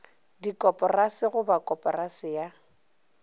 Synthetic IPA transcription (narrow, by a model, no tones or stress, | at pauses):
dikʼɔpʼɔrasɪɣʊbakʼɔpʼɔrasɪja